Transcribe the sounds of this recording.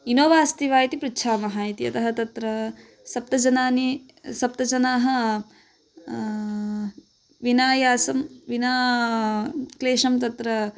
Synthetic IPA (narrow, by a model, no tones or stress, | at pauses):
inoːʋaːst̪iʋaːjit̪ipɾitːʃʰaːmɐɦaːit̪iɐt̪ɐɦɐt̪ɐt̪ɾɐ | sɐp̚t̪ɐd͡ʒɐnaːni | sɐp̚t̪ɐd͡ʒɐnaːɦɐ | ʋinaːjaːsɐmʋinaː | kleːʂɐmt̪ɐt̪ɾɐ